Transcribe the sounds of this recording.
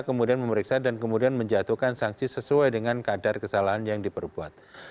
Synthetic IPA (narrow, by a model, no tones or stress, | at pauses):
kəmudianməməɾiksadankəmudianməɲd͡ʒat̪uhkansaŋsisəsuajdəŋankadarkəsalaɦanjaŋdipərbua̰t̪̚